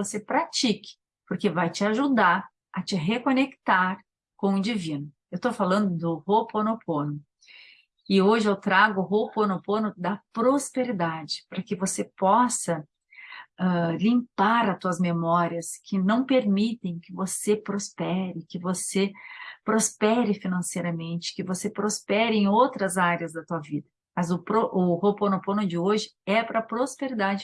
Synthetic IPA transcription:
vosepɾat͡ʃikɪ̥ | poɾkevajt͡ʃɪaʒud̪aɾ | ɐt͡ʃɪɦekõnekt̪aɾ | kõʊd͡ʒivĩnʊ | ewt̪ofalɐ̃nd̪ʊd̪ʊhoponopʰõnʊ | ɪoʒɪewt̪ɾaɡʊʊɦoponopõnʊd̪ɐpɾospeɾid̪ad͡ʒɪ̥pɾɐkɪvosepɔsɐ | ɛlĩmpaɾɐt̪uɐzmemɔɾiɐskʰɪnɐ̃w̃peɾmit̪ẽj̃kɪvosepɾospɛɾɪkɪvosepɾospɛɾɪfinɐ̃sejɾɐmẽnt͡ʃɪ̥kɪvosepɾospɛɾɪẽowt̪ɾɐzaɾiɐzd̪ɐt̪uɐvid̪ɐ | mɐzʊpɾoʔʊhoponopõnʊd͡ʒɪoʒɪ | ɛpɾɐpɾospeɾid̪ad͡ʒɪ

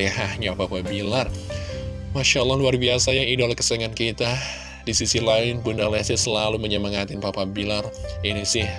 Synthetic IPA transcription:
ihahɲapapabilar | maʃalːɑhluarbiasajaŋidalakə̥sɛŋankit̪a | disisilaɪnpundalɛsɪhsəlaluməɲaməŋat̪ɪnpapabilarinisɪh

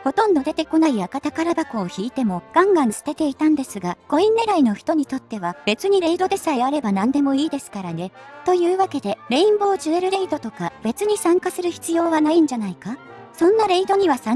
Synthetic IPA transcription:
ho̞t̪õ̞nd̪o̞d̪e̞t̪e̞ko̞naiakat̪akaɾabakoːçiːt̪e̞mo̞ɡ̥ãŋɡãñsɨ̥t̪e̞t̪e̞it̪ãnd̪e̞sɨɡaɡ̥o̞ĩnːe̞ɾaino̞çi̥t̪o̞ɲ̟it̪o̞t̪ːe̞β̞ab̥e̞t͡sɨɲ̟iɾe̞id̪o̞d̪e̞saiaɾe̞banãnd̪e̞mo̞iːd̪e̞sɨ̥kaɾane̞t̪o̞jɯ̟ːβake̞d̪e̞ɾe̞ĩmbo̞ːʑɨeɾɯ̟ɾe̞id̪o̞t̪o̞kabe̞t͡sɨɲ̟isãŋkasɨɾɯ̟çi̥t͡sɨjo̞ːβanaĩɲ̟d͡ʑanaika | sõ̞nːaɾe̞id̪o̞ɲ̟iβ̞asã

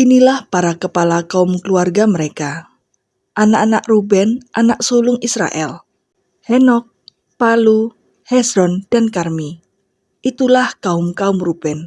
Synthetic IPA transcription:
ʔinilahpaɾakəpalakaʊmkəluarɡaməɾeka | ʔanaʔanaʔrubɛnʔanaʔsulʊŋisɾa̰ʔɛ̰l | hɛnɔk̚ | palu | hɛsɾɔnd̥ankarmi | ʔit̪ulahkaʊmkaʊmrub̥ɛn

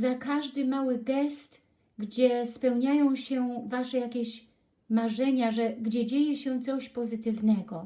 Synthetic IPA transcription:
zakaʐd̪ɘmawɘɡɛst̪ | ɡd͡ʑɛspɛwɲajɔ̃w̃ɕɛvaʂɛjakʲeɕ | maʐɛɲaʐɛɡd͡ʑɛd͡ʑejɛɕɛ̃t̪sɔɕpɔzɘt̪ɘvnɛɡɔ

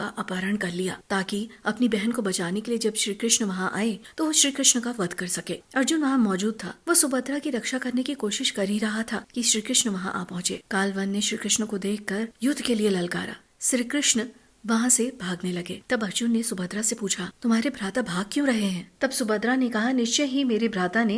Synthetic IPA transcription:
a̰ʔaːpaːɾəɳkɐɾlija̰ːt̪aːkiɐpnibɛɦənkobɐt͡ʃaːnekelied͡ʒɐbʃɾiːkɾɪʃnʋɐɦãʔa̰ːet̪oʋoʃɾiːkɾɪʃɳəkaʋɐd̪ʱkɐɾsɐkeːɐɾd͡ʒʊnʋɐɦãmɔːd͡ʒuːd̪̚t̪ʰa̰ːʋosʊbəd̪ɾakiɾɐkʃakɐɾnekikoːʃɪʃkɐɾɦiɾɐɦat̪ʰaːkiʃɾiːkɾɪʃnʋɐɦã̰ʔa̰ːpɐɦʊ̃t͡ʃḛːkaːlʋɐnːeʃɾiːkɾɪʃnkod̪eːkʰkɐɾjʊd̪ʱːkelielɐlka̰ːɾa̰ː | ʃɾiːkɾɪʃn | ʋɐɦãsebʱaːɡnelɐɡeːt̪ɐbɐɾd͡ʒʊnːesʊbəd̪ɾasepuːt͡ʃʰat̪ʊmɦaːɾebʱɾaːt̪abʱaːɡ̚kjõːɾɐɦeɦɛ̃ːt̪ɐbsʊbəd̪ɾanekɐɦanɪʃt͡ʃeɦimeːɾibʱɾaːt̪ane

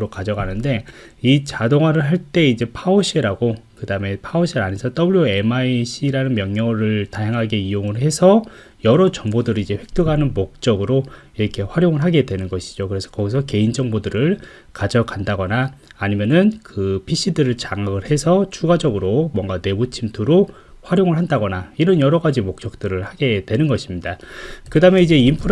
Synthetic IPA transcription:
ɾokad͡ʑʌɡanɯnde̞it͡ɕadoŋwaɾɯɭɦaɭt͈e̞id͡ʑe̞pʰaoɕ͈ʰiɾaɡokɯdaɯme̞pʰaoɕʰiɾanesʰʌt͈ʌbuɭoe̞maiɕʰiɾanɯnmjʌŋɲʌɾɯɭtaɦjaŋɦaɡe̞ioŋɯɭɦe̞sʰʌ | jʌɾʌd͡ʑʌŋbodɯɾɯid͡ʑe̞ɸwe̞k̚t͈ɯɡɦanɯnmok̚t͡ɕ͈ʌɡɯɾo | iɾʌkʰe̞ɸwaɾjoŋɯɭɦaɡe̞dwe̞nɯnɡʌɕʰi̥d͡ʑokɯɾe̞sʰʌ̥kʌɡisʰʌke̞ind͡ʑʌŋbodɯɾɯɭ | kad͡ʑʌkandaɡʌnaːɲimjʌnɯnkɯpʰiɕ͈idɯɾɯɭt͡ɕaŋaɡɯɭhe̞sʰʌt͡ɕʰuɡad͡ʑʌɡɯɾomwʌŋɡane̞but͡ɕʰimtʰuɾo | ɸwaɾjoŋɯɭɦandaɡʌnaiɾʌnjʌɾʌɡad͡ʑimok̚t͡ɕ͈ʌk̚t͈ɯɾɯɭhaɡe̞dwe̞nɯnɡʌɕʰimɲidakɯdameid͡ʑe̞impʰɯɾ

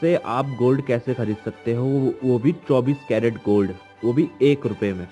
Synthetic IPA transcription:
seʔaːp̚ɡoːlɖkɛːsexɐɾiːd̪sɐk̚t̪eɦõʋobʱit͡ʃɔːbiːskɛːɾəɖɡoːlɖ | ʋoːbʱieːkɾʊpemẽː

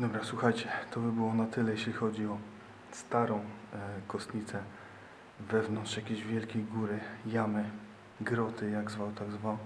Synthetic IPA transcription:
d̪ɔbɾaswuxajt͡ɕɛt̪ʰɔbɘbɘwɔnat̪ɘlɛjeɕlʲixɔd͡ʑiɔ | st̪aɾɔ̃w̃kɔst̪ɲʲit̪sɛ | vɛvnɔnt̪ʂjakʲeʑvʲjɛlkʲejɡuɾɘjamɘ | ɡɾɔt̪ɘjaɡzvat̪aɡzva

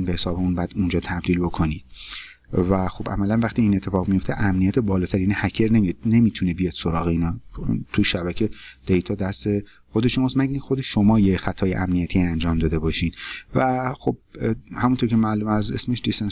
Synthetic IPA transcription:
nbehesɒːbeunbæd̪und͡ʒɒːt̪ʰæb̚d̪iːlbo̞kʰo̞niːd̪̥ | væxo̞bæ̰mælænvæχt̪iiːnet̪ʰːe̞fɒːɣmijo̞ft̪ʰeʔæmnijæt̪ʰebɒːlɒːt̪ʰæɾinhæcʰeɾne̞mijod̪ne̞miːt̪ʰunebijɒd̪̥soɾɒːɣeiːnɒːt̪ʰuʃæbæcʰe̞d̪̥ejt̪ʰɒːd̪æst̪e | xo̞d̪e̞ʃo̞mɒːsmæɡixo̞d̪eʃo̞mɒːjexæt̪ʰɒːjeʔæmnijæt̪ʰiːænd͡ʒɒːmd̪ɒːd̪e̞bɒːʃiːd̪̥væxo̞b̚hæmunt̪ʰo̞ɾcʰemælumæzesmeʃd̪isen

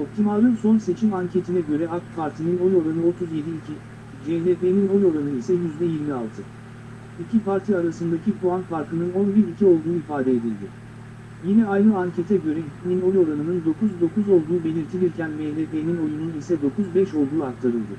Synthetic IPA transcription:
o̞p̚t̪ʰimalˠɯnso̞nse̞t͡ʃʰimaɲcʰe̞t̪ʰinɛɟø̞ɾɛakpʰaɾt̪ʰinino̞jo̞ɾanɯo̞t̪ʰuzje̞d̪ii | d͡ʒed̪epenino̞jo̞ɾanɯisɛjyzd̪ɛjiɾmia̰lˠt̪ʰɯ | icʰipaɾt̪ʰiaɾasɯnd̪acʰikʰuanpʰaɾt̪ʰɯnɯno̞nbiɾicʰio̞lˠd̪uːifaːd̪ɛed̪ilʲd̪ɪ̰ | jinɛajɾɯaɲcʰet̪ʰɛɟø̞ɾɛinino̞jo̞ɾanɯnɯnd̪o̞kʰuzd̪o̞kuzo̞lˠd̪uːbe̞lʲiɾt̪ʰilʲiɾcʰænmed̪epenino̞jununisɛd̪o̞kuzbɛʃo̞lˠd̪uːak̚t̪ʰaɾɯlˠd̪ɯ

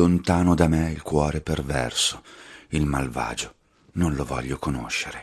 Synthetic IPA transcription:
ont̪aːnod̪ameilkwɔːɾepervɛ̰rso̥ilmalva̰ːd͡ʒo | nonlovɔ̰ʎːokono̰ʃːeɾe

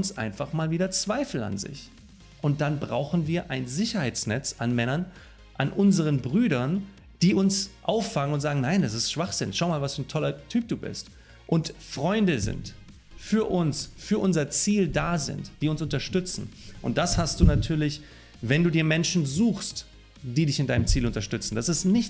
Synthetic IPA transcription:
ʊnsʔa̰ɪnfaχmaːlviːdɐt͡sv̥aɪfl̩a̰nzɪ̰ç | ʔʊnt̚d̥anbʁaʊxn̩viːɐʔaɪnzɪçɐhaɪt͡snɛt͡sanmɛnɐn | ʔanʔʊnzəʁ̞ənbʁyːɾɐn | d̥iːʊnsʔaʊfːaŋənʊntz̥aːɡŋ̩naɪndas̬ɪstʃv̥aχz̥ɪnʃaʊmaːlvasfɐntʰɔlɐtʰyːp̚d̥uːbɪ̰st | ʔʊntfʁ̥ɔʏndəzɪ̰nt | fyːɐʔʊnsfyːɐʔʊnzɐt͡siːldaːzɪ̰ntd̥iːʊnsʊntɐʃtʏt͡sn̩ʔʊ̰nt̚d̥ashast̚d̥uːnatʰyːɐlɪç | vɛnduːdiːɐmɛnʃn̩zuːxst | d̥iːdɪçɪnd̥aɪnəmt͡siːlʊntɐʃtʏt͡sn̩d̥asɪstnɪç

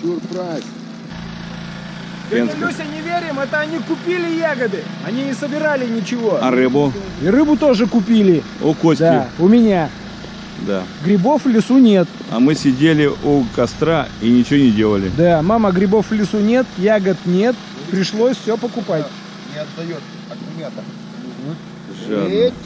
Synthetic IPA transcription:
urpɾasʲ | enlʲusʲənʲɪvʲeɾʲɪmɛt̪əɐnʲikʊpʲilʲɪjaɡəd̪ɨɐnʲiɪsəbʲɪɾalʲɪnʲɪt͡ɕɪvo̞ɐɾɨbʊ | irɨbʊt̪o̞ʐɨkʊpʲilʲɪ | ṵkosʲd̪ʲaʊmʲɪnʲa | d̪a̰ɡɾʲɪbo̞fvlʲɪsunʲe̞t̪ | ɐ̰mɨsʲɪdʲelʲɪʔukɐst̪ɾainʲɪt͡ɕɪvonʲɪdʲe̞lˠəlʲɪ̰d̪amaməɡɾʲɪbo̞fvlʲɪsunʲe̞t̪jaɡət̪nʲe̞t̪ | pɾʲɪʂlˠo̞sʲfsʲɵpəkʊpatʲ | nʲɪɐɐjot̪ | ɐmʲat̪ə | ʐa

